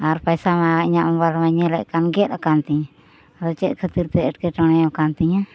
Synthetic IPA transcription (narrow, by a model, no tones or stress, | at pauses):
aɾpajsamaiɲaʔmbaɾmaɲɛlɛʔkanɡɛɾakant̪ɛɲ | ɾɔt͡ʃɛʔ̪̚kʰət̪iɾt̪ɛɛʈ̚kɛʈəɽ̃ɛjɔkant̪iɲa